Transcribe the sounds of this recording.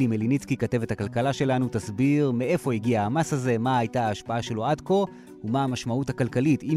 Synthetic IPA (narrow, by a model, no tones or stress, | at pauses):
limelinit͡skikate̞vethakalkalaʃe̞lanutasbiʁmeʔe̞fo̞iɡiaamashaze̞maajtaaːʃpaaʃe̞lo̞adko̞ | umaamaʃmauthakalkaliti